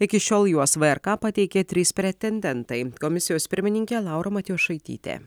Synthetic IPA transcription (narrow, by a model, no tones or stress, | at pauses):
ɪkʲɪʃʲoːlˠjuɔsʋɐɛɾkɑːpɐt̪ʲɛɪkʲeːt̪ʲɾʲiːspʲɾʲɛt̪ʲɛnʲd̪ʲɛnt̪ɐɪkomʲɪsʲɪjoːspʲɪɾʲmʲɪnʲɪŋʲkʲeːlˠɑˑʊɾomɐt̪ʲijoːʃɐɪt̪ʲḭːt̪ʲḛː